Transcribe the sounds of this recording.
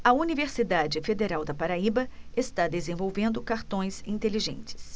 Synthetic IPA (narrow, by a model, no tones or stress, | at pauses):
ɐuniveɾsid̪ad͡ʒɪfed̪eɾawd̪ɐpaɾaibɐest̪ad̪ezẽvowvẽnd̪ʊkaɾt̪õj̃sĩnt̪eliʒḛ̃nt͡ʃɪ̥s